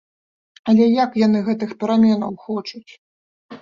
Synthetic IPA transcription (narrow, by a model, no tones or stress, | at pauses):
ɐlʲɛjakjan̪ɨɣɛt̪ɨxpʲɛɾamʲɛnɐwxɔt͡ʂut͡sʲ